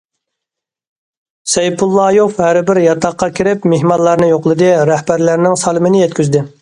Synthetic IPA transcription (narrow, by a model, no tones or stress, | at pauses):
sɛjpʰulˠːɑːjofhæɾbɪɾjɑt̪ʰɑqːɑkʲʰɪɾɪpmeɦmɑnlˠɑɾnɨjoqlˠɨd̪ɨɾæhbæɾlæɾnɪŋsɑlˠɨmɪnɪjɛt̪kʲyzd̪ɪ